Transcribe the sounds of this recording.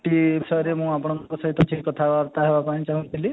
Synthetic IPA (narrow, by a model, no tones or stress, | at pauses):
ʈibisɔjɔɾemũapɔɽ̃ɔnkɔsɔɦit̪ɔʈʰikɔt̪ʰaːɾt̪aɦebapaĩt͡ʃaɦũnt̪ʰili